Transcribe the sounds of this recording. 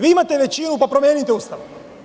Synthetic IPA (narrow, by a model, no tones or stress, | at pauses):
ʋiimat̪eʋet͡ʃinupapɾomjeːnit̪eust̪aʋo